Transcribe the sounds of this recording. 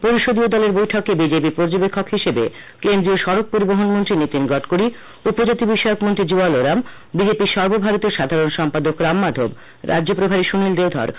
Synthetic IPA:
poɾiʃod̪iod̪ɔleɾbojʈʰɔkebid͡ʑepipoɾd͡ʑobekʰːokɦiʃebḛ | kend̪ɾioʃɔɾok̚poɾiboɦonmont̪ɾinit̪inɡɔʈkoɾi | upod͡ʑat̪ibiʃɔeokmont̪ɾid͡ʑualoɾam | bid͡ʑepiɾʃɔɾbobʱaɾot̪ioʃad̪ʱaɾonʃɔmpad̪okɾamːad̪ʱo̰b | ɾʔa̰d͡ʑʑopɾobʱaɾiʃunild̪ewd̪ʱɔ̰ɾ

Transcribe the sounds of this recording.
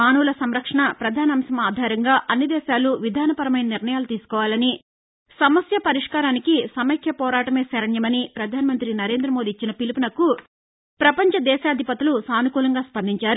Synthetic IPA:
aːnuːlɐsɐmɾɐkʂɐɳɐpɾɐd̪ʱaːniɐmsɐmaːd̪ʱaːɾɐŋɡaːʔɐnːid̪ɛːʃaːluʋid̪ʱaːnɐpɐɾɐmɐjnɐniɾnɐjaːlut̪iːsu̥kɔːʋaːlɐni | sɐmɐsjɐpɐɾiʂkaːɾaːnikisɐmɐkʰjɐpɔːɾaːʈɐmeːsɐɾɐɳjɐmɐnipɾɐd̪ʱaːnimɐnt̪ɾinɐɾe̞ːnd̪ɾɐmo̞ːd̪iːt͡ʃːinɐpilipunɐkːu | pɾɐpɐɲt͡ʃɐd̪ɛːʃaːd̪ʱipɐt̪ilusaːnukuːlɐŋɡaːspɐnd̪iɲt͡ʃaːɾu

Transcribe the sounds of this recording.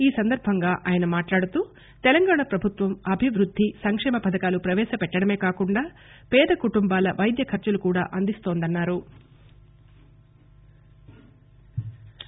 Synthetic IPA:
iːsɐnd̪ɐɾbʱɐŋɡaːʔaːjɐnɐmaːʈlaːɽut̪uː | t̪ɛlɐŋɡaːɳɐpɾɐbʱut̪ʋɐmɐbʱiʋɾud̪ʱːisɐŋkʂɛːmɐpɐd̪ɐkaːlupɾɐʋɛːʃɐpɛʈːɐɽɐmeːkaːkuɳɖaː | pɛːd̪ɐkuʈumbaːlɐʋʔɐjd̪jɐkʰɐɾt͡ʃɐlukuːɽa̰ːʔɐnd̪ist̪o̞ːnd̪ɐnːaːɾu

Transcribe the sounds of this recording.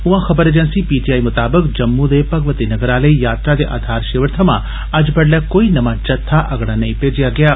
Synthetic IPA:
ʊ̃ɦãxɐbəɾeːd͡ʒə̃nsipiːʈijaːimʊt̪aːbəkd͡ʒɐmːũd̪epɐɡʋət̪inɐɡəɾaːləijaːt̪ɾad̪eʔa̰ːd̪ʱaːɾʃeːʋəɾt̪ʰəmã | ɐd͡ʒbɐɽljakoːinɐʋãt͡ʃɐt̪ʰːaʔɐɡɽanɐĩpeːd͡ʒijaɡɐjaː

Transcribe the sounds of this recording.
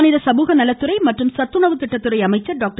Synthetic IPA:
nɪðɐsɐmuɣɐnɐlɐt̪ːɯɾɐɪmɐʈrɯmsɐt̪ːɯɳɐʋɯt̪ːɪʈːɐt̪ːɯɾɐɪɐmɐɪt͡ʃːɐɖaːk̚ʈ

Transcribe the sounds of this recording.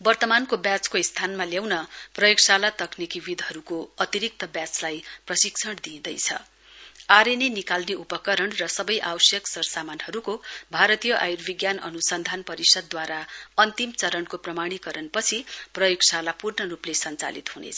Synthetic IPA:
bʌrt̪ʌmankobjat͡skoist̪ʰanmaljawnʌprʌjoɡsalat̪ʌknikibid̪ɦʌɾukoʌt̪iɾik̚t̪ʌbjat͡slajprʌsiksʰʌɽd̪ĩd̪ʌjt͡sʰʌ̰ | aɾenenikalniupʌkʌɾʌɳrʌsʌbʌjʔawsjʌksʌrsamanhʌɾukobʱaɾʌt̪ijʌʔa̰jurbʱiɡjanʌ̰nusʌnd̪ʱanpʌɾisʌd̪̚ːwaɾaʌnt̪imt͡sʌɾʌɳkoprʌmaɽ̃ikʌɾʌnpʌt͡sʰiprʌjoɡsalapurnʌruplesʌnt͡sa̰lḭt̪ɦunḛt͡sʰʌ

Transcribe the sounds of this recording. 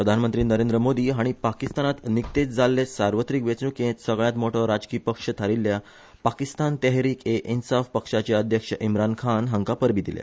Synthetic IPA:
pɾəd̪ʱanmənt̪ɾiːnəɾẽnd̪ɾəmod̪iːɦaɽ̃ipakist̪anat̪nikt̪et͡s̚d͡zalːesaɾʋət̪ɾikʋet͡snukẽt̪səɡɭjãt̪moʈʰɔɾad͡zkiːpəkʂət̪ʰaɾilːja | pakist̪ant̪ɛɦɾiːkeʔinsafpəkʂat͡ɕeəd̪ʱjəkʂəʔimɾankʰanɦəŋkapəɾbiːd̪ilja̰

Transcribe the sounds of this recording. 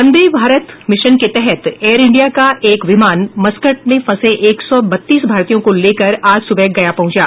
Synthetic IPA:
ɐ̃nd̪ebʱaːɾət̪mɪʃənket̪ɛɦɛt̪eːɾɪ̃ɳɖijakaʔeːkʋɪmaːnmɐskəʈ̚mẽfɐseʔeːksɔbɐt̪ːiːsbʱaːɾt̪ijõkoleːkɐɾaːd͡ʒsʊbɛɡɐjapɐ̃ɦʊ̃t͡ʃaː

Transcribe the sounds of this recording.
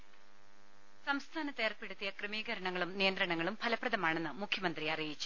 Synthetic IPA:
sɐmst̪ʰaːnɐt̪ːeːrpe̞ɽut̪ːijɐkrɨmiːɣɐɾɐɳɐŋːɐɭumnijɐnd̪rɐɳɐŋːɐɭumpʰɐlɐprɐðɐmaːɳe̞nːɨmukʰjɐmɐnd̪riɐrijit͡ɕːu̥

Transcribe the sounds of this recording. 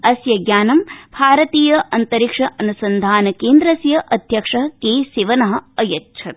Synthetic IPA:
ɐsjɐɡjaːnɐmbʱaːɾɐt̪iːjɐʔɐnt̪ɐɾikʂɐʔɐnusɐnd̪ʱaːnɐkeːnd̪ɾɐsjɐʔɐd̪ʱjɐkʂɐɦɐkeːsiʋɐnɐɦɐ̆ɐjɐtːʃʰɐt̪̚

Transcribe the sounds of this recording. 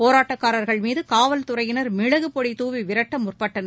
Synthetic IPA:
poːɾaːʈːɐkːaːɾɐɾɣɐɭmiːðɯkaːʋɐlt̪ʊɾɐjɪnɐɾmɪɻɐɣɯpɔɽit̪uːʋiʋɪɾɐʈːɐmʊrpɐʈːɐn

